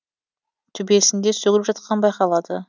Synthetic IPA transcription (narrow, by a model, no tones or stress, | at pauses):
t̪ʰʏbe̞sɪnd̪e̞sɵɡʲɪlɪpʒɑt̪̚qʰɑnbɑjqɑlˠɑd̪ə